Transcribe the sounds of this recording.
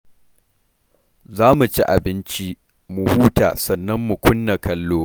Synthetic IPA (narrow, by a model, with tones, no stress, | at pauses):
zaː˦mu˨t͡ʃi˦ʔa̰˨bɪ˦nt͡ʃi˦ | mu˨huː˦ta̰ː˨sɐ˨nːɐ˦mːu˨kʷʊ˦nːa˨kʰɐ˦lːoː˦